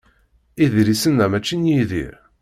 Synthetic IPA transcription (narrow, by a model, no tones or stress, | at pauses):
iðɾisənːæmæt͡ʃːinjiðḭɾ